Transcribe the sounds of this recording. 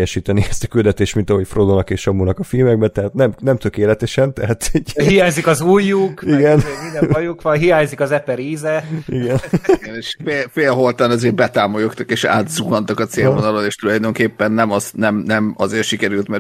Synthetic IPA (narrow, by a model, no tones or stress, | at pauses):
jɛʃiːt̪ɛniɛst̪ɒ̥kyld̪ɛt̪eːʃt̪mint̪ɒɦo̞cfrod̪onɒkeːʃɒmunɒkɒfilmɛɡ̚bɛt̪ɛɦaːt̪nɛmnɛmt̪økeːlɛt̪ɛʃɛnt̪ɛɦaːt̪ɛɟɦijaːɲzikɒzuːjːukiɡɛnmind̪ɛɒjukʋɒnɦijaːɲzikɒzɛpːɛɾiːzɛiɡɛnneʃfeːlfeːlɦo̞lt̪ɒnɒzeːɾbɛt̪aːmojokt̪ɒkeːʃa̰ːt̪zuɡɒnt̪ɒkɒt̪seːlvonɒloneːʃt̪ulɒjd̪oŋkeːpːɛnːɛmɒznɛmnɛmɒzeːrʃikɛɾylt̪mɛɾ